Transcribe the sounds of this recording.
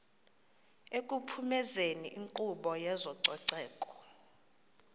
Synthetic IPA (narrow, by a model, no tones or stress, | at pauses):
ekʼupʰumɛzeniʔiŋǃuɓɔjɛzɔǀɔǀɛːkʼɔ̥